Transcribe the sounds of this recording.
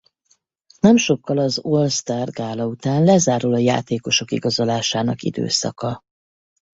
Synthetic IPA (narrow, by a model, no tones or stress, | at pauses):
nɛmʃo̞kːɒlɒzolst̪aːrɡaːlɒut̪aːnlɛzaːɾulɒja̰ːt̪eːko̞ʃo̞kḭɡɒzo̞laːʃaːnɒkḭd̪ø̰ːsɒ̰kɒ